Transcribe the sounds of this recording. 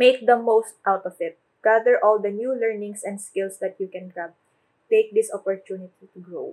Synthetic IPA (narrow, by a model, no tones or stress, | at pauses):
meɪk̚d̪ɐmoʊst̪̚ʔawt̪ɔvɪt̪̚ | ɡ̥aðəɹʔɔld̪ɐnjulɛɹnɪ̃ŋsɛ̃nd̪skɪlsd̪ɐt̪̚jukɛ̃nɡab̚ | t̪eɪk̚d̪ɪsɔpɔɹt̪unɪt̪it̪ʊɡɹow